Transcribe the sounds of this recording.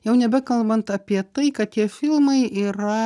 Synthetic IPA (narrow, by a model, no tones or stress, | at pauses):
jɛʊnʲɛbʲɛkɐlˠbɐnt̪ɐpʲiɛt̪ɐɪkɐt̪̚t̪ʲiɛfʲɪlˠmɐɪiːɾɐ